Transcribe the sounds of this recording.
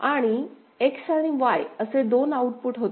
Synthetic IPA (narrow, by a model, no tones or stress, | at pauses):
aɽ̃i | eksəɽ̃iɡʋaɭəsed̪onauʈ̚puʈɦot̪